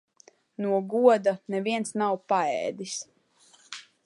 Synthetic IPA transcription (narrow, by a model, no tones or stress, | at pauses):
nuɔɡuɔd̪anɛviɛnsnawpaɛ̰ːd̪is